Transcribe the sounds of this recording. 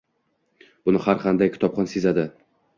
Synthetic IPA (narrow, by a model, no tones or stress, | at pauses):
b̥ʊnɪhaɾqʰɑnd̪ajkʰʲɪ̥t̪ʰɒpχɒnsezad̪ɪ